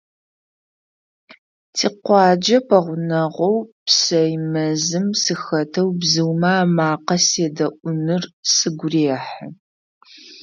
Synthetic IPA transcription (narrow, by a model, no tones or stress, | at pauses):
tʰiːqʷɑːd͡ʒɐpʰɐʁʷʊnɐʁʷowpsɐjmɐzɨmsɨxɐtʰɐwbzɨwmaːmaːqɐseːdɐʔʷʊnɨrsɨɡʷʊreːħ